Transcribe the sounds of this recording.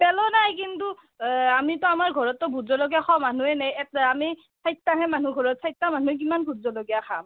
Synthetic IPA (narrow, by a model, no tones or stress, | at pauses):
pɛlɔnajkintu | amitɔamaɹɡʱɔɹɔtːɔbʱuzɔlɔɡijakʰɔmanuɛnajɛtami | sajtːaɦɛmanuɡʱɔɹɔt̚sʰajtːamanuk̬imanbʱuzɔlɔɡijakʰa̰m